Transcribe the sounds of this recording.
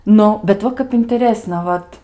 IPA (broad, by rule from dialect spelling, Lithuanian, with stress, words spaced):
ˈnʊ bʲɛt ˈʋɐ kɐp ɪnʲtʲɛˈrʲeːsnɐ ˈʋɐt